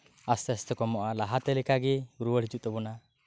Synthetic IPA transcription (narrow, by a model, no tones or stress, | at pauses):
ast̪ɛst̪ɛkɔmɔʔalaɦat̪ɛlɛkaɡiuɾuwəɽɦid͡ʒuʔt̪ɛbɔna